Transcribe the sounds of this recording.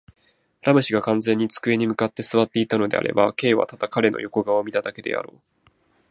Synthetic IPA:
ɾʔamɯ̟ɕiɡakãnd͡zẽ̞ɲ̟ːit͡sɨ̥kɯe̞ɲ̟imɯ̟kat̪ːe̞sɨβat̪ːe̞it̪ano̞d̪e̞̰a̰ɾe̞̰bake̞ːβa̰t̪ad̪̥akaɾe̞no̰jo̞ko̞ɡaomʲit̪ad̪ake̞d̪e̞̰a̰ɾo̞ː

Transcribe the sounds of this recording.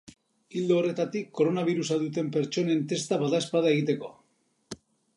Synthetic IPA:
ild̪oːre̞t̪at̪ikːo̞ɾo̞naβiɾusaðut̪̬e̞mpe̞ɾt͡ʃo̞ne̞nt̪e̞st̪aβaðaespaðae̞ɣit̪e̞ko̞̰

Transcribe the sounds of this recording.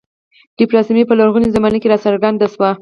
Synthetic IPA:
d̪̥ipɾɑsmipəlaɾɣunizamanəkeɾɑsaɾɡand̪aʃwa

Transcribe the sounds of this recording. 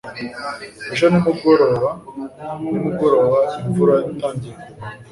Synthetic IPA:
uʃ̬animuɡoɾoɾa | nimuɡoɾoɾaiɱvuɾaitaːɲɟiɾo

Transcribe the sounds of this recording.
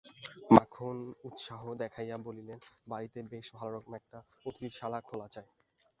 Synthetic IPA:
makʰonut̪ʃaɦod̪ɛkʰajabolilenbaɾit̪ebeʃbʱalaɾɔkomɛk̚ʈaot̪iʃalakʰolat͡ɕae

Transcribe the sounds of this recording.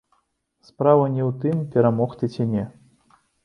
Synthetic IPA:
spɾavɐnʲɛwt̪ɨmpʲɛɾamɔxt̪ɨt͡sʲinʲɛ

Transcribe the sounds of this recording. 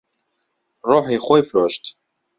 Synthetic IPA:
roːħixojfɾoːʃt̪

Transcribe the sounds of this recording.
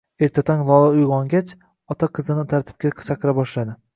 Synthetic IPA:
e̞ɾt̪ʰat̪ʰɒŋʲlˠɒlˠaʊjʁɒŋɡʲat͡ʃ | ɒt̪ʰaqʰɨzɪnɪt̪ʰaɾt̪ʰɪ̥p̚kʲat͡ʃʰaqʰɨɾabɒʃlad̪ɪ

